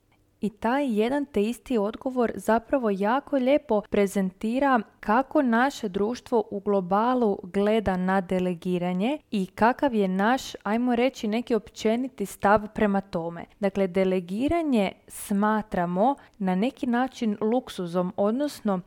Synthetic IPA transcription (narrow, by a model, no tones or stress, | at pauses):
it̪ajːe̞d̪ant̪eist̪io̞d̪ɡo̞ʋo̞ɾzapɾaʋo̞jaːko̞ʎe̞ːpo̞pɾe̞ze̞nt̪iːɾakako̞naʃe̞d̪ɾuːʃt̪ʋo̞ʔuɡlˠo̞baːlˠuɡle̞d̪anad̪e̞le̞ɡiːɾaɲe̞ikakaʋje̞naʃajmo̞ɾe̞t͡ʃine̞kio̞pt͡ʃe̞nit̪ist̪aʋpɾe̞mat̪o̞me̞̰d̪akle̞d̪e̞le̞ɡiːɾaɲe̞smaːt̪ɾamo̞ | nane̞kinaːt͡ʃinlˠuksuzo̞mo̞d̪nosno̞